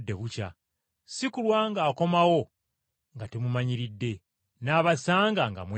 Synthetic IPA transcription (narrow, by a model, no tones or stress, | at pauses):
dːe̞βuca̰ | sikulwaːŋɡaːko̞mawo̞ | ŋɡatemumaɲiɾidːe̞ | naːβasaːŋɡaŋɡa̰mw